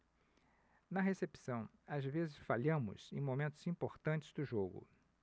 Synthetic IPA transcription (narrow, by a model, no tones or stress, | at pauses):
nɐɦesepi̥sɐ̃w̃ | azvezɪsfaʎɐ̃mʊ̰zẽj̃momẽnt̪ʊzĩmpoɾt̪ɐ̃nt͡ʃɪ̥zd̪ʊʒoɡʊ̰